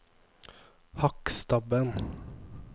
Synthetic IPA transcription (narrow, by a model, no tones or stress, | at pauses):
hɑkst̪ɑbən